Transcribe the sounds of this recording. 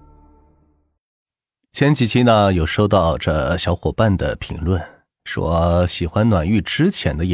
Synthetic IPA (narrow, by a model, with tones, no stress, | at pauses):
t͡ɕʰjɛ˥nt͡ɕʰi˧˩t͡ɕʰi˥nə˧jo˨˩ʊʂo˥˧ʊt̪ɑ˥˧ʊʈ͡ʂə˧ɕjɑ˧˥ʊxwɔ˨˩pa˥˩nd̪ə̰˩pʰḭ˧˥ŋlwə˥˩n | ʂwɔ̰˥ɕi˨˩xwa˥nnwa˨˩ny˥˩ʈ͡ʂɻ̩˥t͡ɕʰjɛ̰˧˥nd̪ə˧jɛ˨